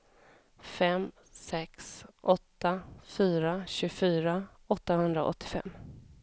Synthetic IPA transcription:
fɛm | sɛksʔɔt̪ːafyːɾaɕɵɡfyːɾa | ɔt̪ːahɵnd̪ɾa̰ʔɔ̰t̪ʰːɪ̥fɛ̰mː

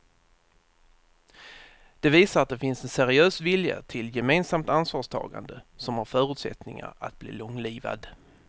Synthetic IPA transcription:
d̪̥ɛviːsaɾat̪̚d̪ɛfɪnsɛnsæɾɪøːsvɪlja̰t̪ʰɪljɛmeːnsamt̪ansvɑːʂt̪ʰɑ̰ːɡa̰nd̪əsɔmhaɾfœːɾɵt̪sɛ̰t̪nɪŋa̰ɾa̰t̪̚blḭːlɔŋliːva̰d̪

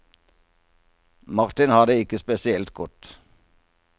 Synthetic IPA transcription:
mɑʁt̪ɪnhɑd̪əɪkəspɛsɪɛlt̪ɡɔt̪

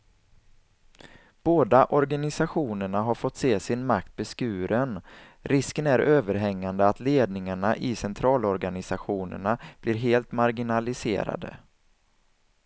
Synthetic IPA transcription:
b̥oːd̪aʔɔɾɡanɪsaɧuːnəɳaɦaɾfɔt̪ːseːsɪnmak̚t̪̚bɛskʉ̟ːɾən | ɾʔɪskənæɾøːvəɾɦɛŋːand̪əat̪leːd̪nɪŋaɳaʔɪsɛnt̪ʰɾɑːlɔɾɡanɪsaɧuːnə̰ɳab̥lɪːɾɦeːlt̪maɾɡɪnalɪsḛːɾa̰d̪ə̰

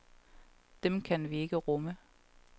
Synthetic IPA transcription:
d̥emkʰænʋie̝ɡ̥əʁɔmə

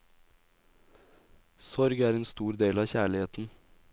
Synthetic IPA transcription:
sɔɾɡæːɾeːnst̪uːɾd̪eːlɑːçæːɭɪheːt̪n̩

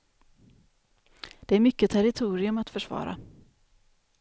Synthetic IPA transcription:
d̪̥ɛæɾmʏkːət̪ʰæɾɪt̪ʰuːɾɪɵmat̪fœʂvɑ̰ːɾa̰

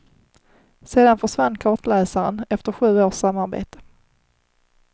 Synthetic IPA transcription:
seːd̪anfœʂvanːkʰɑːʈlɛːsaɾənɛft̪əɾɧʉ̟ːoːʂːamːaɾbḛːt̪ə̥

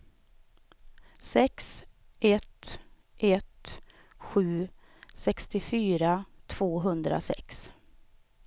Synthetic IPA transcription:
sɛks | ʔɛt̪ | ʔɛt̪ | ɧʉ̟ːsɛkst̪ɪfyːɾat̪ʰv̥oːɦɵnd̪ɾa̰sɛ̰ks

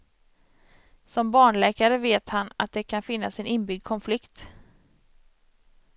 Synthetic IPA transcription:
sɔmbɑːɳlɛːkaɾəveːt̪hana̰t̪̚d̪ɛkʰanfɪnːasɛnɪnbʏɡd̪̚kʰɔnflɪkt̪

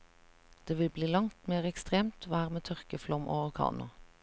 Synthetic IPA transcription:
d̪̥eːʋɪlbliːlɑŋt̪meːʁɛkst̪ʁeːmt̪ʋæːʁmeːt̪ʰœʁkəflɔmʔo̰ːʋəkʰɑ̰ːnʊ

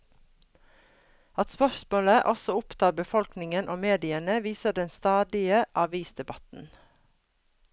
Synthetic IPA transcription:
ɑt̪spœʃmoːləʔɔsɔʊpt̪ʰɑːɾbəfɔlknɪŋənʔoːmeːd̪ɪənəʋiːsəd̪ɛnst̪ɑːd̪ɪəʔɑʋiːsd̪ɛbɑt̪n̩

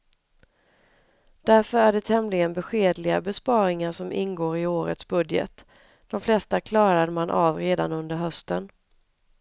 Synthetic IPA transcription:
d̪̥æɾfœɾæɖɛt̪ʰɛmlɪɡənbɛɧeːd̪lɪɡabɛspɑːɾɪŋaʂɔmʔɪ̰nɡoːɾɪoːɾə̰t̪sbɵd̪jə̰t̪ | d̪̥ɔmflɛst̪akʰlɑːɾad̪əmanʔavɾeːd̪a̰nɵnd̪əɾɦœst̪ən

